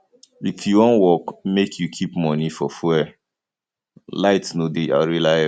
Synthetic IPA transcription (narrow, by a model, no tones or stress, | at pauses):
ifjuwɔ̃nwɔkmekʰjukʰipmɔnifɔfɛ | laɪtnodea̰ɹila